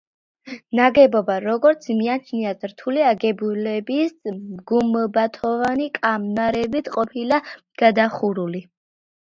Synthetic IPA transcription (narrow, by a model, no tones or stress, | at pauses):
naɡɛbɔbaɾɔɡɔɾt̪sʰmiat͡ʃʰniazɾt̪ʰuliaɡɛbulɛbisɡumbat̪ʰɔvanikʼamnaɾɛbit̪ʰqʼɔpʰila | ɡ̥ad̪aχuɾuli